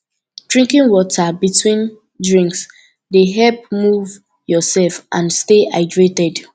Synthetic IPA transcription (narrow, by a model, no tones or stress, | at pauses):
d̥ɹĩŋkĩŋwɔtabitʰwĩn | dɹĩŋks | deɦɛp̚muv | jɔsɛlfʔãnsteaɪdɹetɛd